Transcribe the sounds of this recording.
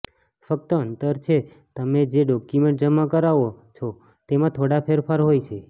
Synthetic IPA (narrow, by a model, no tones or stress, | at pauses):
fək̚t̪əənt̪əɾt͡ʃʰe | t̪əmed͡ʒeɖɔkjumẽɳʈ̚d͡ʒəmakəɾaʋot͡ʃʰo | t̪emãt̪ʰoɽapʰeɾpʰaɾɦojt͡ʃʰe